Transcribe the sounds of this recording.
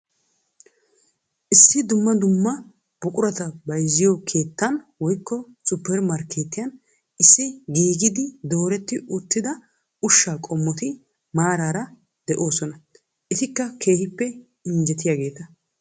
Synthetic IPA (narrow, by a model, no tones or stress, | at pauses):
ʔɪsːɪd̪ʊmːɐd̪ʊmːɐ | b̥ʊkʼʊɾɐt̪ɐbɐjzɪjɔkʰe̞ːt̪ːɐnwɔjkːɔ | sʊpːɛɾmɐɾkeːt̪ːɪjɐn | ʔɪsːɪɡiːɡɪd̪ɪd̪o̞ːɾɛt̪ːɪʔʊt̪ːɪd̪ɐ | ʊʃːaːkʼɔmːɔt̪ɪ | maːɾaːɾɐ | d̪̥ɛʔo̞ːsɔnɐ | ʔɪt̪ɪkːɐkʰe̞ːhɪpːɛ | ɪnd͡ʒɛt̪ɪjaːɡe̞ːt̪ɐ